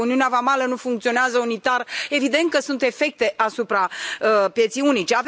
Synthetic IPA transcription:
uniuneavamalənufuŋkt̪sio̞neazəunit̪are̞vid̪ent̪̚kəsunt̪e̞fe̞k̚t̪e̞ʔasupɾaəpje̞t̪sijunit͡ʃeav

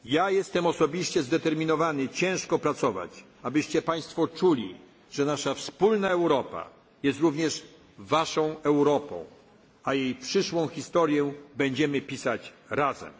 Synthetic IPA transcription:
jajɛst̪ɛmɔsɔbʲiɕt͡ɕɛzd̪ɛt̪ɛɾmʲinɔvanɘt͡ɕɛ̃w̃ʂkɔpɾat̪sɔva̰t͡ɕ | abɘɕt͡ɕɛpaj̃st̪fɔt͡ʂulʲḭ | ʐ̥ɛnaʂafspulnaɛwɾɔpa̰ | jɛst̪ɾuvɲɛʂ | vaʂɔ̃w̃ɛwɾɔpɔ̰̃w̃ | ajejpʂɘʂwɔ̃w̃xʲist̪ɔɾjɛbɛɲd͡ʑɛmɘpʲisat͡ɕɾazɛ̰m

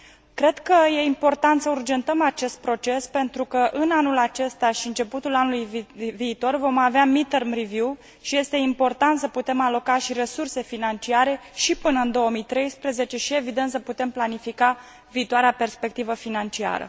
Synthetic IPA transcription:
kɾe̞d̪kəje̞impo̞rt̪ant̪səurd͡ʒe̞nt̪əmat͡ʃe̞st̪̚pɾo̞t͡ʃe̞spe̞nt̪ɾukəʔɨnanulat͡ʃe̞st̪aʃiɨnt͡ʃe̞put̪ulanulujviːt̪o̞rvo̞maveamit̪ermrivju | ʃije̞st̪e̞impo̞rt̪ant̪səput̪e̞malo̞kaʃiɾe̞surse̞finant͡ʃiaɾe̞ʃipɨnəɨnd̪o̞əmijt̪ɾe̞jspɾeze̞t͡ʃe̞ʃie̞vid̪ent̪səput̪e̞mplanifika | viːt̪oaɾeape̞rspe̞k̚t̪ivəfinant͡ʃia̰ɾə̰

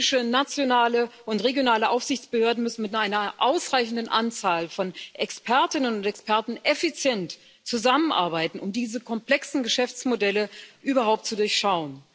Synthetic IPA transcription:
ɪʃənat͡sjonaːləʔʊntʁeɡjonaːləʔaʊfz̥ɪçt͡sb̥əhøːɐdn̩mʏsn̩mɪtaɪnɐʔaʊsʁaɪçn̩dənʔant͡saːlfɔnʔɛkspʰɛɐtɪnənʊntɛkspʰɛɐtn̩ʔɛfit͡sjɛnt | t͡suzamənʔa̰ɐbaɪtn̩ʊmdiːzəkʰɔmpl̥ɛksn̩ɡəʃɛft͡smodɛləʔyːbɐɦaʊp̚tt͡sudʊɐçʃaʊən

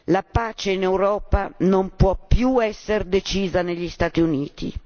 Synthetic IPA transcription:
lapaːt͡ʃeinewɾɔːpanompwɔpːjuɛsːeɾd̪et͡ʃiːzaneʎːist̪at̪iuniːt̪ḭ

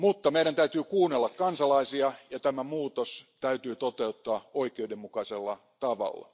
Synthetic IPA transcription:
mut̪ːɑmeiɾænt̪æyt̪yːkuːnːelːɑkkɑnsɑlɑisiɑjɑt̪æmæmuːt̪ost̪æyt̪yːt̪ot̪eut̪ːɑːoikeudemmukɑiselːɑ | t̪ɑʋɑ̰lːɑ̰

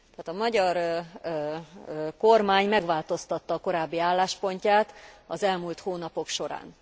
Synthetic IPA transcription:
t̪ːt̪ɒmɒɟɒr | ko̞rmaːɲmɛɡʋaːlt̪o̞st̪ɒt̪ːɒːko̞ɾaːbːiaːlːaːʃpo̞ɲcaːt̪ɒzɛlmult̪hoːnɒpo̞kʃo̞ɾa̰ːn

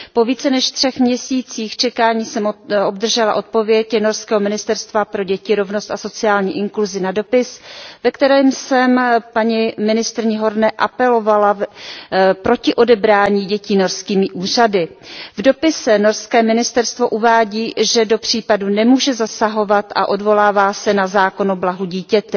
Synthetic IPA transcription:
po̞viːt͡sɛnɛʃt̪r̝̥ɛxmɲɛsiːt͡siːxt͡ʃɛkaːɲiːsɛmo̞bd̪r̩ʒɛlaʔo̞t̪̚po̞vjɛcno̞ɾskɛːɦo̞mɪnɪst̪ɛɾst̪vapɾo̞ɟɛcɪɾo̞vno̞st̪aso̞t͡sɪaːlɲiːʔɪŋkluzɪnado̞pɪsvɛkt̪ɛɾɛːmsɛmpaɲimɪnɪst̪ɾɪɲɪɦo̞ɾnɛʔapɛlo̞vala | pɾo̞cɪʔo̞dɛbɾaːɲiːɟɛciːno̞ɾskiːmɪʔuːr̝adɪvdo̞pɪsɛno̞ɾskɛːmɪnɪst̪ɛɾst̪vo̞ʔuvaːɟiːʒɛdo̞pr̝̥iːpadunɛmuːʒɛzasaɦo̞vat̪ʔa̰ʔo̞dvo̞laːvaːsɛnazaːko̞noblaɦuɟiːcɛt̪ɛ

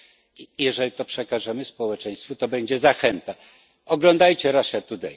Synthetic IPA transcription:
jɛʐɛlʲit̪ɔpʂɛkaʐɛmɘspɔwɛt͡ʂɛj̃st̪fut̪ɔbɛɲd͡ʑɛzaxɛnt̪a | ɔɡlɔnd̪ajt͡ɕɛɾaʂɛt̪ut̪ɛ̰j

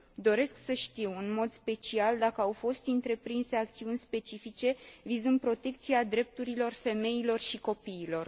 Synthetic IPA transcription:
d̪o̞ɾe̞sksəʃt̪iwɨnmo̞d̪spe̞t͡ʃiald̪akəawfo̞st̪ɨnt̪ɾe̞pɾinse̞akt̪siunʲspe̞t͡ʃifit͡ʃe̞vizɨnd̪̚pɾo̞t̪e̞k̚t̪siad̪ɾe̞p̚t̪uɾilo̞rfe̞me̞ilo̞rʃiko̞piːlo̞r

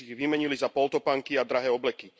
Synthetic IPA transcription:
iɣʋimɛɲilizapɔlt̪ɔpaŋkiad̪ɾaɦɛːɔblɛki

